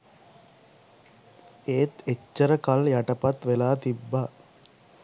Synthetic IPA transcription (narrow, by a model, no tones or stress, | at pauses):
eːt̪et͡ʃːəɾəkaljaʈəpat̪ʋelaːt̪ibːaː